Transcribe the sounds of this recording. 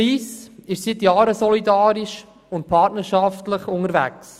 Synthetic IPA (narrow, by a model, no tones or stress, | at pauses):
iːsɪʃsɪt̪jɑːɾəsɔlidɑːɾiʃ | ʊnt̚pʰɑtnəɾʃɑftləχʊŋəɾvæ̰ks